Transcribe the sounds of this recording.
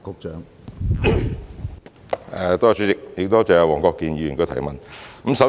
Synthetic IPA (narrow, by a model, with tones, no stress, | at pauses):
kʊ˧k̚t͡ʃœː˨˥ŋ | ɛ˨˧t̪ɔː˥a˨˧t͡ʃʰy˨˥t͡sɪ˨k̚jɪ˨k̚t̪o˥t͡sɛː˨˧jɐ˧wɔː˨˩ŋkɔː˧kːiː˨˧njiː˨˧jy˨˩nkɵ˧t̪ʰɐ˨˩jmɐ˨nkə˧˦˥msɐ˨˥